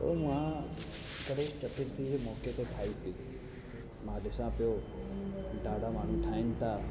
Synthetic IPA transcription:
o̰mũã | kəɽekt͡ʃəʈiɾt̪id͡ʒemɔːket̪oʈʰaːit̪ʰi | mãd̪esãpjoː | ɖaːɽamaːn̤ũːʈʰaːint̪a

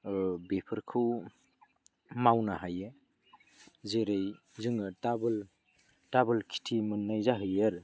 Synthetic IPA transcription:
bepʰɯɾkʰɯw | mawnaɦaje | zeɾej | zɯŋɯtabl | tabɯlkʰi̥tʰimɯnːajzaɦɯjaɾ

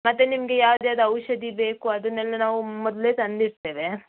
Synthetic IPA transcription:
mɐt̪ːenimɐɡe̞jaːʋd̪jaːd̪ɐɐwʃɐd̪ibe̞ːkuɐd̪ɐnɛlːɐnaːʋumɔd̪le̞ːt̪ɐnd̪iɾt̪e̞ːʋe̞

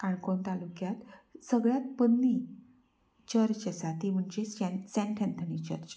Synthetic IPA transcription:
kaɳkoɳt̪alukjat̪səɡɭjat̪̚pənːi | t͡ɕəɾt͡ɕəsat̪im̤əɳd͡ʑessɛ̃nʈʰɛ̃nt̪ʰənit͡ɕə̰ɾt͡ɕ

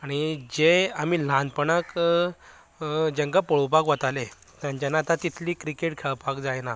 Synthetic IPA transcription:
aɽ̃id͡ʑeamiːl̤ãnd̪pəɳak | d͡ʑə̃ŋkapəɭupakʋat̪ale | t̪jãɲt͡ɕanaːt̪at̪it̪ʰliːkɾikeʈkʰɛɭpakd͡zajna

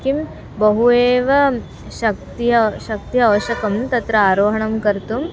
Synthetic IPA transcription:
kim | bɐɦueːʋɐ | ʃɐk̚t̪ijɐʃɐk̚t̪ijɐːʋɐʃɐkɐmt̪ɐt̪ɾɐaːɾoːɦɐɳɐmkɐɾt̪um

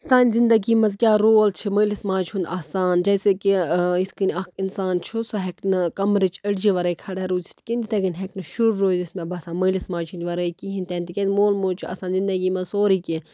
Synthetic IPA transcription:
saːnʲzind̪ɐɡiːmɐzkʲaːɾoːlt͡ʃʰiməːlismãːt͡ʃʰund̪aːsaːnd͡ʒɐjsekiiskinʲɐkinsaːnt͡ʃʰusɐɦeknɨkɐmɾit͡ʃɐɽd͡ʒiʋɐɾɐjkʰɐɽaɾuːt͡ʃʰi̥t̪kind̪it̪ɐɡinʲɦeknɨʃuɾːoːzismẽbɐsaːməːlismaːt͡ʃʰunʲʋɐɾɐikiɦĩnʲt̪eːnt̪ikʲezmoːlmoːt͡ʃʰua̰ːsaːnzind̪ɐɡimɐzsoːɾiːki

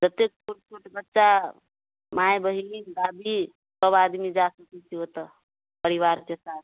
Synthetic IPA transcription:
d͡ʒət̪ek̚t͡ʃʰoʈt͡ʃʰoʈbətːʃa | majbəɦiiɡ̪abi | səbad̪mid͡ʒasəkit͡ʃʰiot̪ə | pəɾiʋaɾt͡ʃesat̪

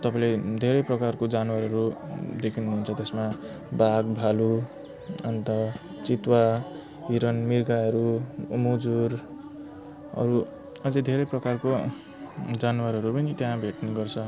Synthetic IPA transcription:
t̪ʌpãĩled̪ʱeɾʌjprʌkarkod͡zanwaɾɦʌɾud̪ekʰinuɦunt͡sʰʌt̪esma | baɡbʱalu | ʌnt̪ʌ | t͡sit̪wa | ɦiɾʌnmirɡaʌɾumud͡zur | ʌ̰ɾu | ʌd͡zed̪ʱeɾʌjprʌkarko | d͡zanwaɾɦʌɾupʌnit̪jãbʱeʈnuɡʌrt͡sʰʌ

